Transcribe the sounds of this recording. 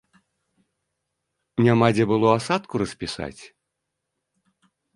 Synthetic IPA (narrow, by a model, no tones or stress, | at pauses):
nʲamad͡zʲɛbɨlˠɔasat̪kuɾɐsʲpʲisa̰t͡sʲ